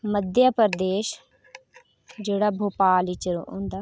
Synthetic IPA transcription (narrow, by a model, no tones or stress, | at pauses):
məd̪jaːpəɾd̪eːʃ | d͡ʒeːɽaːbʱoːpaːlit͡ʃəɾo̰õ̰ːnd̪aː